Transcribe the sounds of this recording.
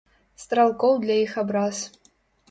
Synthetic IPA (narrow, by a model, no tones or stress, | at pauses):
st̪ralˠkʼowd̪lajixɐbraz